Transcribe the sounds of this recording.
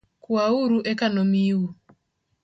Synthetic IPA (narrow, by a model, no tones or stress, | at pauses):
kwauɾuʔɛkanomiu